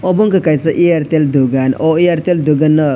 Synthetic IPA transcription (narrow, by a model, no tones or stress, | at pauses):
ɔbɔŋkakajt͡sɔʔiaɾt̪eld̪uɡanɔiaɾt̪eld̪uɡanːʌ